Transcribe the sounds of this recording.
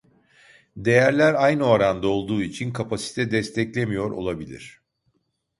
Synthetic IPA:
d̪e̞jæɾlʲæɾajno̞ɾand̪ao̞lˠd̪uːit͡ʃʰinkʰapʰasi̥t̪ʰɛd̪ɛst̪ʰɛclʲemijo̞ɾo̰lˠabilʲḭɾ̝̥

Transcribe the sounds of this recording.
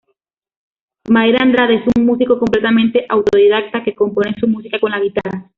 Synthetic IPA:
majɾanraðesuŋmusikoko̞mple̞t̪amẽnt̪eʔawt̪oð̞iðak̚t̪ake̞ko̞mpo̞nesumusikako̞nlaɣ̞it̪ara

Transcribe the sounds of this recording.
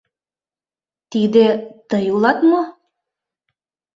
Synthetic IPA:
t̪id̪et̪əjulˠɑt̪mo

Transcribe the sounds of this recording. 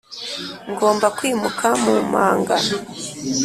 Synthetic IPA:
ŋɡo̞ːmbakwiːmukʰamumaːŋɡa̰

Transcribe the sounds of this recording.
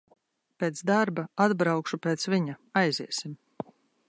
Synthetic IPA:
peːt̪sd̪aɾbaad̪bɾawkʃupeːt̪sviɲaajziɛsim

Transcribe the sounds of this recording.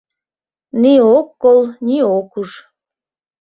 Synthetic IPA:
niokːolˠniokuʃ

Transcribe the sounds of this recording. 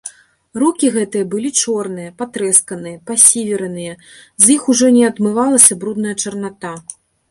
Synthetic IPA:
rukʲiɣɛt̪ɨjɐbɨlʲit͡ʂɔrnɨjɐpat̪ɾɛskɐnɨjɐpasʲivʲɪɾɐnɨjɐ | zʲjixuʐɔnʲɛad̪mɨvalˠɐsʲɐbɾud̪nɐjɐt͡ʂɐrnat̪a

